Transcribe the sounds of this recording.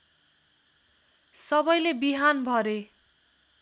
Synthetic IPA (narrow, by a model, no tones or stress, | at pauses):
sʌbʌjlebiɦanbʱʌɾe